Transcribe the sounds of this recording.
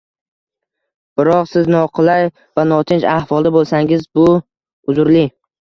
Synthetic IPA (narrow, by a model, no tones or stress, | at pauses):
b̥ɪɾɒqsɪznɒqʰɨlˠaj | vanɒt̪ʰɪnd͡ʒahvɒlˠd̪abolˠsaŋɪzbʊ | ʊzʊɾlɪ